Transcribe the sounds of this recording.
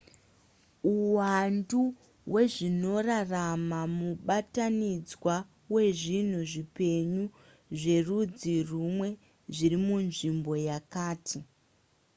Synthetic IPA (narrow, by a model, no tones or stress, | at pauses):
uwandu | we̞ʐino̞raramamuɓatanid͡zwa | we̞ʐin̤uʐipe̞ɲu | ʐe̞rud͡zirumwe̞ | ʐirimunʐimbo̞jakaːtʰi